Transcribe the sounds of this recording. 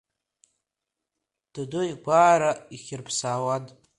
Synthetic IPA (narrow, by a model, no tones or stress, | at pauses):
d̥adujɡʷaːɾaiχʲɪrpʰsaːwadʼ